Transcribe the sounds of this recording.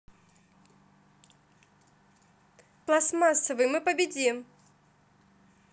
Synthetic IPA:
klˠasmasːəvɨjmɨpɐbʲɪd͡zʲim

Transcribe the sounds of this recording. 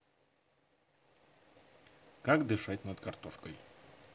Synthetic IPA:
kakd̪ɨʂatʲnɐd̪kɐrt̪oʂkəj

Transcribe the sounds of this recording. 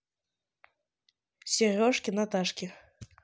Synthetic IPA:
sʲirʲɔʂkʲinɐt̪aʂkʲi

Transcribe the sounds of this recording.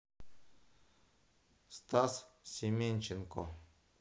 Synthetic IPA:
st̪assʲemʲenʲt͡ɕɪnko̰

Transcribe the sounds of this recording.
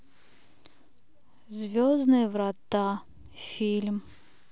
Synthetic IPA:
zvʲɔznɨjvɾat̪a | fʲilʲm

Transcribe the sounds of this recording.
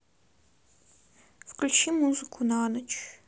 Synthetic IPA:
fkʰlʲut͡ʃʰimuzɨkʷʰunanɨt͡ʃʰʼ

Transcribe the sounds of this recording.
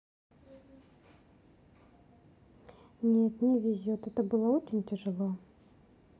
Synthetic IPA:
nʲet̪nʲɛvʲizʲɔt̪ɛt̪əbɨlˠaot͡ɕɪnʲtʲɛʐɨlˠa

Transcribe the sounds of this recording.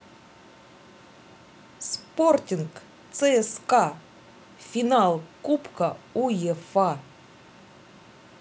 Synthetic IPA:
sportʲink | t̪sɛɛska | fʲinalˠkupkɐujɛfa

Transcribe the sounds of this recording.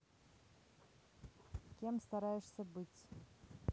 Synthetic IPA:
kʲemst̪ɐɾajɛʂsʲəbɨtʲ

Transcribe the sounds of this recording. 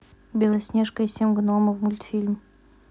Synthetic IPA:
bʲelˠɐsʲnʲeʂkəsʲemɡnoməvmulʲt̪fʲilʲm

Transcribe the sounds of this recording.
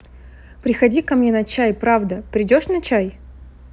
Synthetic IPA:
pɾʲɪxɐdʲikɐmnʲenɐt͡ɕæjpɾavd̪əpɾʲɪdʲo̞ʂnɐt͡ɕaj

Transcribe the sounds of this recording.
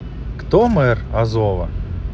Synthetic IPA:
kt̪ɔmɛrɐzɔvɐ

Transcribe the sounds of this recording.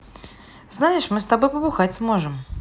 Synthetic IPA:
znajɪʂmɨst̪abojpəbʊxatʲsmoʐɨm

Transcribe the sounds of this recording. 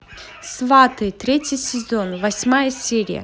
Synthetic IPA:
svat̪ɨt̪ɾʲetʲɪsʲɪzonvɐsʲmajəsʲeɾʲɪ̰jə̰

